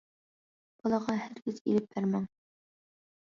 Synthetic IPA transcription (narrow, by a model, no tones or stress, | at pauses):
b̥ɒlˠɑʁɑhæɾkʲɪzḭlɪp̚ːæɾmæŋ